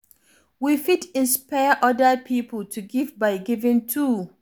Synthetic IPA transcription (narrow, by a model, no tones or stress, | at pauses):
wifidɪ̃nspaɪʔɔdəpʰipl̩tʰuɡivbaɪɡivɪ̃ntʰu